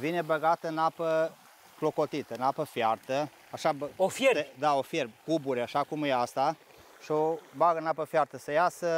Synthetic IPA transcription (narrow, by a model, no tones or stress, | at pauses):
vine̞bəɡat̪əɨnapə | klo̞ko̞t̪it̪əɨnapəfjart̪ə | aʃabəofjeɾed̪ao̞fjerkubuɾeaʃakumjeast̪a | ʃio̞baɡənapəfjart̪əsəjasə